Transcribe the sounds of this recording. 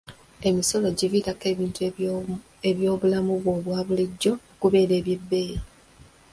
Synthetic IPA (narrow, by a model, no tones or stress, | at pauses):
e̞miso̞lo̞ɟiviɾake̞βiːntu | e̞βjo̞ːβulamuβwo̞ːβwaːβuliɟːo̞okuβe̞ːɾe̞ːβje̞bːe̞ːɾi